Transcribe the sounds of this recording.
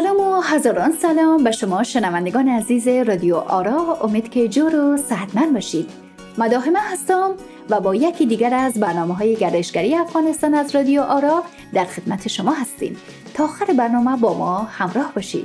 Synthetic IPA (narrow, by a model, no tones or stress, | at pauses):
sælɒːmoɦæzɒːɾɒːnsælɒːmbeʃomɒːʃenævænd̪eɡɒːneæziːzeɾɒd̪ijoʔɒːɾɒːomed̪̥kʲʰe̞d͡ʒɒːɾosæd̪mænbɒːʃiːd̪̥ | mæd̪ɒːɦemæhæst̪ɒm | væbɒːjekʰiːd̪iːɡæɾæzbæɾnɒːmeɦɒːjeɡæɾd̪eʃɡæɾijeæfɣɒːnest̪ɒːnæzɾɒd̪ijoʔɒːɾɒ | d̪æɾxe̞d̪mæt̪ʰe̞ʃomɒːɦæst̪ḭːm | t̪ʰɒːxæɾebæɾnɒːmæbɒːmɒːhæmɾɒːhbɒːʃḭːd̪̥